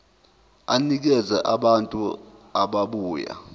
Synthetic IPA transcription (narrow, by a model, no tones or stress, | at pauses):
anik̬ɛzɛʔaɓantʼuaɓaɓuːja̰